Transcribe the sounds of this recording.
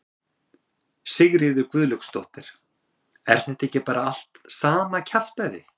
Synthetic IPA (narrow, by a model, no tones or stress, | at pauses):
sɪɣɾɪðʏɾkvʏðlʏkst̪owht̪ɪɾ̥ | ɛ̰ɾ̥θɛht̪aehcɪpaːɾaal̥t̪saːmacʰaft̪ajðɪ